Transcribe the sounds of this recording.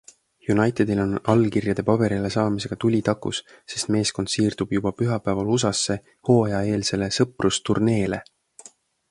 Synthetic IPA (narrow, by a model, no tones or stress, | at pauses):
junɑjt̪ed̪̥ilo̞nɑlkirjɑd̪̥e̞pɑbe̞ɾile̞sɑːmise̞ɡ̥ɑt̪ulʲit̪ɑkːṵs | se̞st̪me̞ːsko̞nd̪̥siːrd̪̥ub̥jub̥ɑpyɦɑpˑæːvɑlusɑsːe̞ | ho̞ːjɑe̞ːlse̞le̞sɤprʔust̪urne̞ːle̞